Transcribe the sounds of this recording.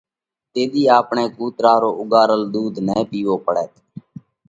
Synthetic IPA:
t̪eːd̪iːaːpɳeːkuːt̪ɾaːɾoːʔʊɡaːɾəld̪uːd̪nɛ̃ːpiːʋoːpəɽɛːt̪

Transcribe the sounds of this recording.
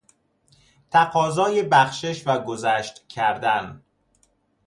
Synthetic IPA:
t̪ʰæqɒːzɒːjebæxʃeʃvæɡozæːʃt̪cʰæɾd̪æn

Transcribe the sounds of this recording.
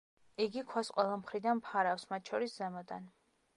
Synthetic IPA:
iɡikʰwasqʼwɛlˠamχɾid̪anmpʰaɾafsmat̪̚ʃʰɔɾiszɛmɔd̪a̰n

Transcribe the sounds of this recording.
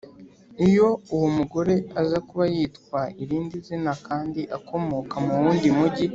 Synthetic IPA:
ijo̞uwumuɡo̞ɾe̞azakuβajiːtkwaiɾiːndizinakaːndiʔakʰo̞mo̞kamuwuːndimuɟi

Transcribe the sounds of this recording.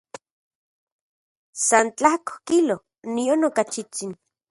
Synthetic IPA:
sant͡ɬahko̥kilo | nionokat͡ʃit͡sin

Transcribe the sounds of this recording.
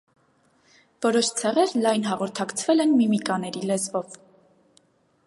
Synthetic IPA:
vɔɾɔʃt͡sʰɛʁɛɾlɑjnɦɑʁɔɾt̪ʰɑkt͡sʰvɛlɛnmimikɑnɛɾilɛzvɔv

